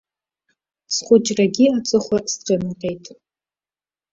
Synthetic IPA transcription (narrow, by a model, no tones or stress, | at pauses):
sχʷʊt͡ʃʼraɡʲiat͡sʼɨχʷasqʲʼemɨqʲʼejtʼ